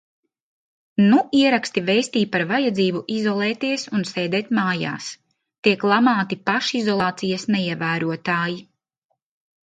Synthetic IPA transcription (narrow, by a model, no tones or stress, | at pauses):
nuiɛɾakst̪ivejst̪iːpaɾvajad̪ziːbuʔizɔlˠɛːt̪iɛsunseːd̪ɛːt̪maːja̰ːs | t̪iɛklˠamaːt̪ipaʃizɔlˠɑːt̪sijɐsnɛiɛvæːɾuɔt̪aːji